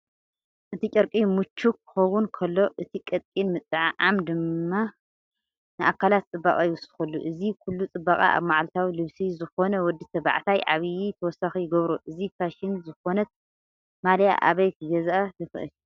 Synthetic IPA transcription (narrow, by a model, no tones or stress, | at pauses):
ʔɨt̪ʰit͡ʃʼɐɾkʼimut͡ʃʰːukʰːɨ̥xɐwunkʰɐlːo̞ʔɨt̪ʰikʼɐt̪ʼkʼinmɨt͡s̪ʼɨʕʕamd̪ɨmːa | nɨʔakʰːalat̪̚t͡sʼɨbːakʼajwɔsɨ̥xɐlːuʔɨzikʰulːut͡sʼɨbːakʼa̰ʔa̰βmaʕlt̪ʰawilɨβsizɨxo̞nɐwɔd̪ːit̪ʰɐβa̰ʕt̪ʰajʔaβjit̪ʰɐwɔsaxijɪɡɐβɾuʔɨzitʰaʃɪnzɨxo̞nɐt̪̚ | malja̰ʔa̰βɐjkʰɨɡɐzaʔajɨxɨʔɨ̰l